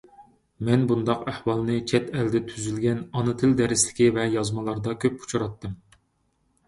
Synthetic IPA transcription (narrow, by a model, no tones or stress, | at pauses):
mɛnbund̪ɑqæhwɑlˠnɨt͡ʃʰɛt̪ɛld̪ɛt̪ʰyzylɡʲɛnɑnɨt̪ʰɪld̪ɛɾɪslɪ̥kʲivɛjɑzmɑlˠɑɾd̪ɑkʲʰøp̚u̥t͡ʃʰuɾɑt̪ːɨm